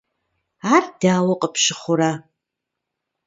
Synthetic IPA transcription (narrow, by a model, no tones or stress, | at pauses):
ardaːwaqʼəpʰʃɨχʷʊɾa